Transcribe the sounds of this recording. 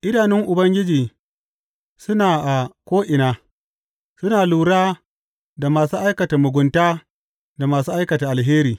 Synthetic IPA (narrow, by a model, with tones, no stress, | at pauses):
ʔɪ˦daː˨nɪ˦ŋʔʊ˨bɐ˦ŋɡʲɪ˦d͡ʒiː˨ | sʊ˦naː˨ʔa˨kʷoː˦ʔɪ˨naː˨ | sʊ˦naː˨luː˨ɽaː˦ | da˨maː˨suː˦ʔa˦jkɐ˨ta˨mʊ˨ɡʷʊ˨ntaː˦ | da˨maː˨suː˦ʔa˦jkɐ˨ta˨ʔa˨lɦeː˦ɾiː˨